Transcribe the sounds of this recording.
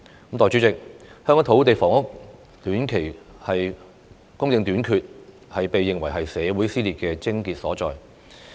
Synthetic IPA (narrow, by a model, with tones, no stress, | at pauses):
mt̪ɔː˨jt͡ʃyː˨˥t͡sɪ˨k̚hœː˥ŋː˨˥t̪ʰo˨˧˥wt̪e˨jfɔː˨˩ŋʊ˥k̚ | t̪yː˨˥nkʰe˨˩jhɐ˨j | kʊ˥ŋjɪ˧ŋt̪yː˨˥nkʰyː˨˧t̚ | hɐ˨jpe˨jːɪ˨ŋwɐ˨˩jɦɐ˨jsɛː˨˧wuː˨˥jsiː˥liː˨t̚kɛː˧t͡sɪ˥ŋkiː˧t̚sɔː˨˥t͡sɔː˨j